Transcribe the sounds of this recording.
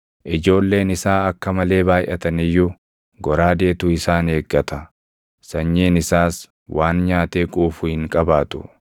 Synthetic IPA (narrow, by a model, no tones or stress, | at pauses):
ʔɪd͡ʒo̞ːlːe̞ːnɪsaːɐkːɐmɐle̞ːbaːjʔɐt̪ɐnɪjːu | ɡɔɾaːd̪e̞ːt̪ʊɪsaːne̞ːɡːɐt̪ɐ | sɐɲːeːnɪsaːs | wʔaːnɲaːt̪eːkʼuːfʊhɪŋkʼɐbaːt̪ʊ̰